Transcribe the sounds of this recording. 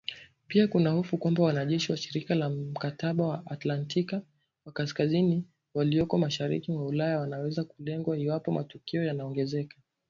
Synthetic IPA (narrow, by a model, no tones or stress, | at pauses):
piakunahufukwambawanaʄɛʃiwaʃiɾikalam̩kataɓawaʔːtlantika | wakaskazini | waliɔkɔmaʃaɾḭkimaulajawanawɛzakulɛŋɡwaiwapɔmatukiɔjanaɔŋɡɛzɛka